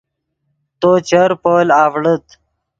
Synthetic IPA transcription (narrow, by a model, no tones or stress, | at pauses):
t̪ot͡ɕəɾpoːlaːvɽət̪